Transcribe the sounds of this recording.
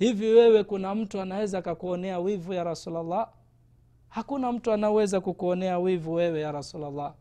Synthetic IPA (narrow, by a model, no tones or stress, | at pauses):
hiviwɛwɛkunam̩tuanawɛzaːkakuɔnɛawivujaɾasulalːa | hakunam̩tuanaɔwɛzakukuɔnɛawivuwɛwɛjaɾasulalːa